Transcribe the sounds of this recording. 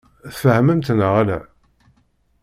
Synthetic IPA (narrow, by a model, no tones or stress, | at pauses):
θfəhməmt̪nəʁælæ̰